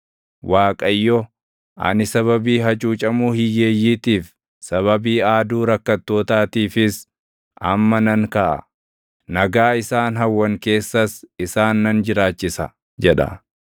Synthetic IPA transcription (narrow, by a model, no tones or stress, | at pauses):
wʔaːkʼɐjːɔ | ʔɐ̰nɪsɐβɐbiːɦɐt͡ʃʼuːt͡ʃʼɐmuːhɪjːeːjːiːt̪iːf | sɐβɐbiːaːd̪uːɾɐkːɐt̪ːo̞ːt̪aːt̪iːfɪs | ʔɐmːɐnɐŋkɐʔɐ̰ | nɐɡaːɪsaːnɦɐwːɐŋke̞ːsːɐsɪsaːnːɐnd͡ʒɪɾaːt͡ʃːɪsɐ | d͡ʒɛᶑɐ̰